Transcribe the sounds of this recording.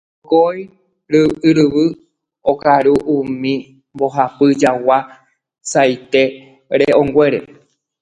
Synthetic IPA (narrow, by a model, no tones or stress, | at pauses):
koj | ɾɨɨɾɨβɨ | okaɾuʔũmĩ | mbo̞ɦapɨd͡ʒawa | sajt̪e̞ | ɾeõŋɡʷeɾe̞̰